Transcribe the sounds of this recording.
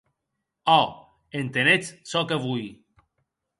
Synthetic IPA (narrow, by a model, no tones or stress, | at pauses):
a | ent̪enessɔkəvuj